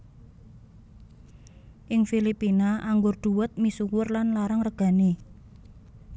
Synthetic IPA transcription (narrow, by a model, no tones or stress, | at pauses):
ʔɪŋfilipinaaŋɡʊrd̪̥ṳwət̪̚misuwʊrlanlaɾaŋrəɡ̥a̤ne